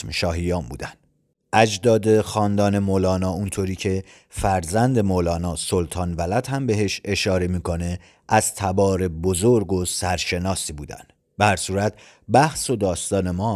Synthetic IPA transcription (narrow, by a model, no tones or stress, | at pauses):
mʃɒːɦijɒːmbṵːd̪ænd̪̥ | ʔæd͡ʒd̪ɒːd̪e̞xɒːnd̪ɒːne̞moːlɒːnɒːunt̪ʰoːɾiːcʰe̞ | fæɾzænd̪e̞moːlɒːnɒːsolt̪ʰɒːnvælæd̪hæmbe̞ɦe̞ʃe̞ʃɒːɾe̞miːkʰo̞ne̞ | ʔæz̥t̪ʰæbɒːɾe̞bozoɾɡosæɾʃe̞nɒːsiːbuːd̪æ̰nd̪ | behæɾsuːɾæt̪̚ʰ | bæhso̞d̪ɒːst̪ɒːne̞mɒː